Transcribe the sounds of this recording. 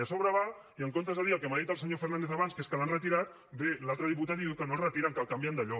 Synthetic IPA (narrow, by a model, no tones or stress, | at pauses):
asoβɾaβa | iəŋkont̪azaðiəlˠkemaðit̪əlˠsəɲofərnand̪eθaβanskeskəlanrət̪iɾat̪̚ | belalˠt̪ɾəðiput̪aðiukənolrət̪iɾaŋkalˠkambjand̪aʎɔ